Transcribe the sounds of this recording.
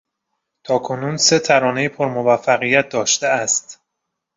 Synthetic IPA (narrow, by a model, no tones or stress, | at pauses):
t̪ʰɒːkʰo̞nuːnse̞t̪ʰæɾɒːne̞jipʰoɾmo̞væfːæɣijæt̪̚d̪ɒːʃt̪eæst̪